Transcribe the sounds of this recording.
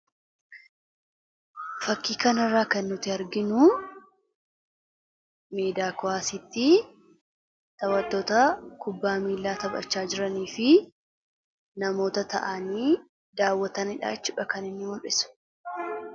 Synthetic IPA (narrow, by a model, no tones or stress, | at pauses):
fɐkːiːkɐnɐrːaːkɐnːʊt̪ɪɐɾɡɪnʊ | meːd̪aːkʊaːsɪt̪ːɪ | t̪ɐwɐt̪ːoːt̪ɐkʊbːaːmiːlːaːt̪ɐbɐ̰t͡ʃːaːd͡ʒɪɾɐniːfɪ | nɐmo̞ːt̪ɐt̪ɐ̰ʔɐniː | d̪aːwːɐt̪ɐnɪᶑa̰ːɪt͡ʃːɪᶑɐkɐnɪnːɪmʊʔɪsʊ̥